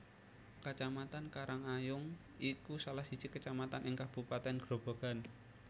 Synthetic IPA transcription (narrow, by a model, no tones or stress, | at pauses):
kət͡ʃamat̪ankaɾaŋajʊŋ | ikusalahsi̥t͡ʃikət͡ʃamat̪anɪŋkab̥upat̪ɛnɡ̥ɾob̥o̤ɡ̥a̤n